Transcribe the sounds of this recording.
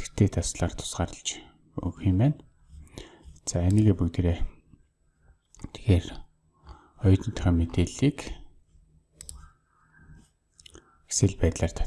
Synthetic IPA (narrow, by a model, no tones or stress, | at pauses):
e̥xt̪ʰeːt̪ʰasɮaːr̥t̪ʰʊ̥sɢaːɾə̆ɬt͡ɕ | ɵ̰ɣximpæːn | t͡saæniːɣeːpɵkt̪eɾeː | t̪ʰe̥xeːr | ɔj̆t̪ɞ̆nt̪ʰœxœːmet̪eːɮiːk | ɡ̥e̥sɘ̆ɮpæːt̪ɮaːr̥t̪ʰḁ